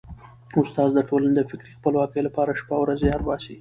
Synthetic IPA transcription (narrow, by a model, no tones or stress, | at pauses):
ʊst̪ɑzd̪əʈolaned̪əfɪkɾixpəlwɑkəjlapɑɾaʃpawɾazejɑɾbɑsi